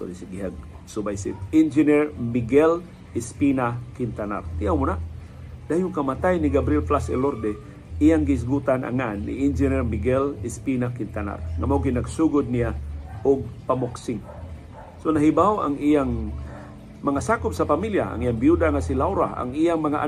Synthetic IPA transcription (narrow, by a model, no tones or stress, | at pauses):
so̰ɾisiɡiɦaɡ̚ | subajsḭpind͡ʒinɛrmiɡɛl | ispinakint̪ana̰rt̪iawmuna | d̪ajʊŋkamat̪ajniɡabɾiɛlflasɛ̰lord̪ɛ | ijaŋɡis̬ɡut̪ana̰ŋanːḭind͡ʒɛnɛrmiɡɛlispinakint̪ana̰rŋamawɡinaɡsuɡʊd̪̚nijaʊɡ̚pamoksɪŋ | sonaɦibawa̰ŋijaŋ | maŋasakʊp̚sapamiljaa̰ŋijaŋbijudaŋasilawɾaa̰ŋijaŋmaŋaʔa̰